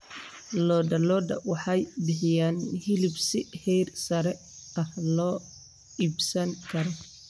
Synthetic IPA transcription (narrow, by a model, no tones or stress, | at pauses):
lɔːd̪ɐlɔːd̪ɐ̰wɑħɑjbɪħɪjaːnhɪlɪbsɪhɛjrsɐɾɛ | ɐhlɔː | iːbsɐŋkʰɐɾɔ